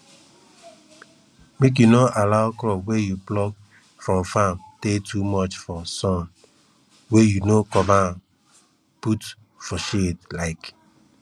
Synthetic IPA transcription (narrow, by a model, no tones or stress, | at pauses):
mek̬junoʔalaʊkɾɔpwejuplɔk | fɹɔ̃mfãmtetʰumɔt͡ʃfɔsɔ̃n | wejunokɔma | put | fɔʃetlaɪk